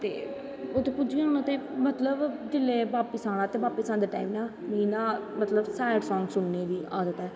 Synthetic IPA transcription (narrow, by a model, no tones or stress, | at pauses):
t̪ḛː | ot̪ẽːpʊd͡ʒiãːnãːt̪eːmət̪ləbd͡ʒɪlːeːbaːpiːsãːɽ̃ãːt̪eːbaːpisãːd̪eːʈa̰ːimnãːməɦiːnaːmət̪ləbsɛːɖsɔːŋɡsʊnːeːd̪iːʔaːd̪ət̪ɛː